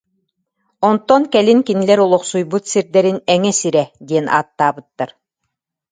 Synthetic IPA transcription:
ɔnt̪ɔnkɛlinkinilɛɾulˠɔqsujbut̪siɾd̪ɛɾinɛŋɛsiɾɛd̪iɛnʔa̰ːt̪ːaːbɯt̪ːaɾ

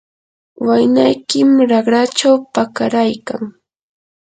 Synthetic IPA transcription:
wajnajkɪmɾaɢɾat͡ʃawpakaɾajkaŋ

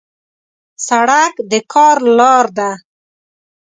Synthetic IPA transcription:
saɽakd̪əkʰɑɾlɑɾd̪a

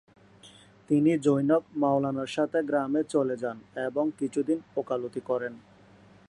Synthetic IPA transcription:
t̪inid͡ʑojnokmawlanaɾʃat̪ʰeɡɾamet͡ɕoled͡ʑaneboŋkit͡ɕʰud̪inokalot̪ikɔɾen

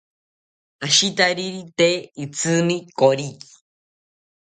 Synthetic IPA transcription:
aʃit̪aɾiɾit̪eit͡sʰɨnikoɾiki̥

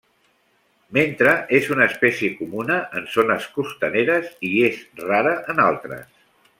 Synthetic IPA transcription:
ment̪ɾəʔezunəːspɛsiəkumunəʔənsonəskust̪əneɾəziezraɾəʔənalˠt̪ɾə̰s

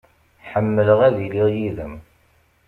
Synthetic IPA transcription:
ħəmːələʁæðiliʁjiðəm

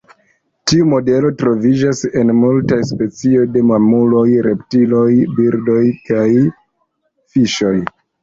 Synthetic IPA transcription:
tiumo̞de̞lo̞tɾo̞vid͡ʒase̞nmultajspe̞t͡sio̞jde̞mamulo̞jɾe̞ptilo̞jbiɾdo̞jkaj | fiʃo̞j

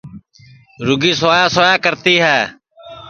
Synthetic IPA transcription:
ɾʊɡiːsaːjaːsoːjaːkəɾt̪iːɦɛː

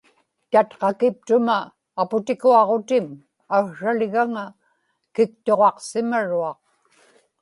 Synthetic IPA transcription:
t̪at̪qɑkɪp̚t̪ʊmaː | pʊt̪ɪkuɑʁot̪ɪm | aɣɻalɪɣaŋa | kɪk̚t̪o̞ʁɑqsɪmaɻuɑq̚

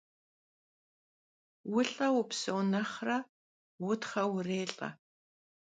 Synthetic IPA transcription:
wʊɬʼɐwʊpsownɐχrɐ | wʊtχɐwʊreːɬʼɐ̰

